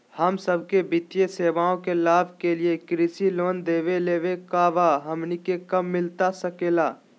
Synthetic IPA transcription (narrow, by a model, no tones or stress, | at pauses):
hɐmsəb̚ʱkebɪt̪jeseːʋaːõkelaːbʱkeliekɾisiloːnd̪eːʋeleːʋekaːʋaɦɐmnikekɐmːɪlt̪asɐkeːlaː